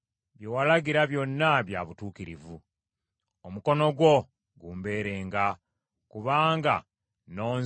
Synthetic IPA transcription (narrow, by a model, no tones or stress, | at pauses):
βjowalaɡiɾaβjo̞nːaβja̰βutuːkiɾivu | omuko̞no̞ɡwo̞ | ɡuːmbe̞ːɾe̞ːŋɡa | kuβaːŋɡa̰ | no̞ː